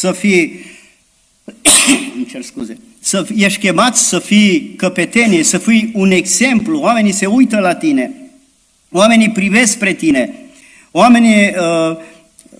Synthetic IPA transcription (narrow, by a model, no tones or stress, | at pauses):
səfij | ɨnt͡ʃerskuze | səjeʃkʲe̞mat̪sʲsəfijkəpe̞t̪e̞nijesəfijune̞ɡze̞mpluoame̞nise̞ujt̪əlat̪ine̞ | oame̞nipɾive̞sk̚pɾe̞t̪ine̞ | oame̞niə